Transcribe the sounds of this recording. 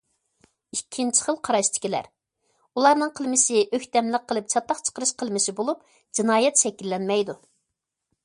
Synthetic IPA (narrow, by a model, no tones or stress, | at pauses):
ikʲʰːint͡ʃʰɪ̥χəlˠqʰɑɾɑʃt̪ʰɪ̥kʲilæ̰ɾ | ulˠɑɾnɨŋqʰəlˠmɪsɪʔøçt̪ɛmlɪq̚qʰːəlˠɨp̚t͡ʃʰɑt̪ːɑqt͡ʃʰə̥qəɾɨʃqʰəlˠmɪsɪbolˠup̚ | d͡ʒinɑːjɛt̪ʃɛkʲilːɛnmɛjd̪u